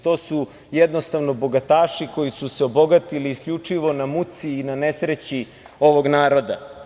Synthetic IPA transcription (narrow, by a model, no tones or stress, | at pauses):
t̪o̞ːsu | jed̪no̞st̪aʋno̞bo̞ɡat̪aːʃiko̞jisuseo̞bo̞ɡat̪iliːskʎut͡ʂiʋo̞namut̪siːnanesɾet͡ɕi | o̞ʋo̞ɡnaːɾo̞d̪a